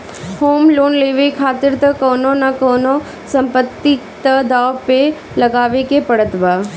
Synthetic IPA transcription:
hoːmloːnleːʋekʰaːt̪ɪɾt̪ɐkoːnonɐkoːno | sɐ̃mpət̪ːit̪ɐd̪aːʋpe | lɐɡaːʋekepɐɽət̪baː

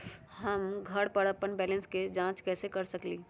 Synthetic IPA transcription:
ɦɐmɡʱɐɽpəɽəpːənbɛːlə̃nsked͡ʒãːt͡ʃkɛːsekɐɾsɐkliː

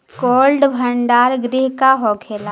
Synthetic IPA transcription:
koːlɖbʱəɳɖaːɾɡɾɪɦkaɦoːkʰeːlaː

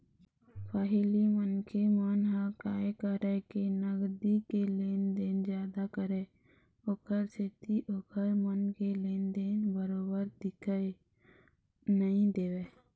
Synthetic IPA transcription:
pʰaːɦɪlimənkemaːnɦãkaːkəɾekenəɡd̪ikeleːnd̪eːnd͡ʒjaːd̪akəɾeː | okʰəɾset̪iʔoːkʰəɾmənkeleːnd̪eːnbəɾoːbəɾd̪ɪkʰae | nəĩd̪eːweː

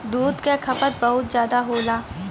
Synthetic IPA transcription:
d̪uːd̪kakʰɐpət̪̚bɐɦʊt̪zjaːd̪aɦoːlaː

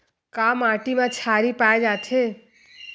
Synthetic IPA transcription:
kamaʈimãt͡ʃʰaɾipaed͡ʒat̪ʰe

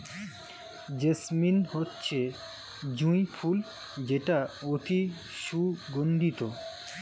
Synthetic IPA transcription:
d͡ʑesminhotːɕʰe | d͡ʑũjpʰul | d͡ʑeʈaot̪i | ʃuɡond̪ʱit̪o

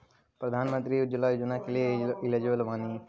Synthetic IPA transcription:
pɾɐd̪ʱaːnmə̃nt̪ɾiud͡ʒəlajoːd͡ʒnakelieɪled͡ʒʋəlʋaːni

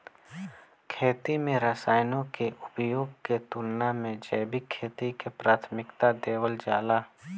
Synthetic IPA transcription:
kʰeːt̪imẽɾəsaːjnõkeʔʊbjoːɡket̪ʊlnamẽd͡ʒɛːbikʰːeːt̪ikepɾaːt̪ʰmɪkt̪ad̪eːwəld͡ʒaːlaː

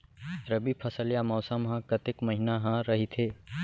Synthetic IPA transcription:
ɾɐbipʰɐsəljamɔːsəmɦãkɐt̪ɪkmɐɦinaɦãɾɐɦit̪ʰeː

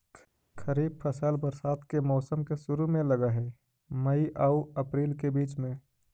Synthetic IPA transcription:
kʰəɾiːb̚pʰəsəlbəɾsaːt̪kemɔːsəmkesʊɾumẽlɐɡaɦɛ | məiʔauɐpɾiːlkebiːt͡ʃmẽ

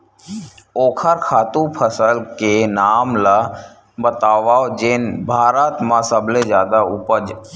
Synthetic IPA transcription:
oːkʰəɾkʰaːt̪ũpʰəsəlkenaːmla | bət̪aːʋaːod͡ʒɪnbʱaːɾat̪mãsəbʱled͡ʒjaːd̪aʊpəd͡ʒ

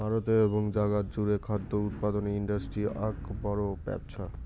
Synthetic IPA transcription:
bʱaɾot̪eeboŋd͡ʑaɡatd͡ʑuɾekʰad̪ːout̪̚pad̪oneiɳɖasʈɾiakbɔɾobɛ̰p̚t͡ɕʰa

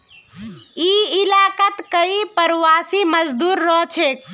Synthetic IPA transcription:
iilaːkət̪kəipəɾʋasiməd͡ʒd̪uːɾːɔɦt͡ʃʰe

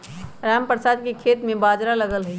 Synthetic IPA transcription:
ɾaːmpɾəsaːd̪̚kekʰeːt̪mẽbaːd͡ʒɾaləɡəlɦʊi

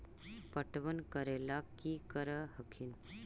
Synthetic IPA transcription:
pəʈʋənkəɾelakːikəɾəɦəkʰin

